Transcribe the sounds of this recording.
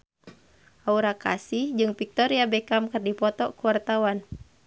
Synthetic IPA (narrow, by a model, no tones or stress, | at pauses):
ʔauɾaka̰sihd͡ʒɨŋpik̚t̪ɔɾiabɛkamkɨrdipɔt̪ɔkuwart̪awan